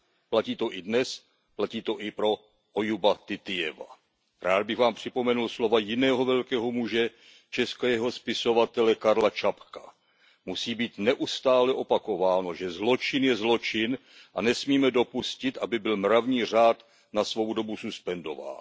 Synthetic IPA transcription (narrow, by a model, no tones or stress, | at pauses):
placiːt̪o̞ʔɪdnɛs | placiːt̪o̞ʔɪpɾo̞ | ʔojubat̪ɪt̪ɪjɛ̰va̰ | ɾaːd̪̚bɪɣvaːmpr̝̥ɪpo̞mɛnulslo̞vajɪnɛːɦo̞vɛlkɛːɦo̞muʒɛ | t͡ʃɛskajɛɦo̞spɪso̞vat̪ɛlɛkaɾlat͡ʃapkḁ | musiːbiːt̪nɛʔust̪aːlɛʔo̞pako̞vaːno̞ʒɛzlo̞t͡ʃɪnjɛzlo̞t͡ʃɪn | ʔanɛsmiːmɛdo̞puscɪt̪ʔabɪbɪlmɾavɲiːr̝aːt̪ | nasvo̞wdo̞bususpɛndo̞va̰ːn